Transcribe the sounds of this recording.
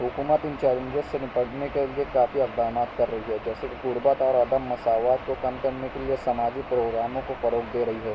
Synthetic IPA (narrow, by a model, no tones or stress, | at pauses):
ɦʊkuːmət̪ɪ̃nt͡ʃaːɾə̃nd͡ʒəsːenɪpəɽnekeliekaːfiɐɡd̪aːnaːt̪kɐɾːɐɦiɦɛd͡ʒɛːsekikʊɾbat̪aːɾaːd̪əmːɐsaːʋaːt̪̚kokɐmkɐɾnekeliesɐmaːd͡ʒipɾoːɡɾaːmõkofɐɾoːkʰd̪eːɾɐɦiɦɛː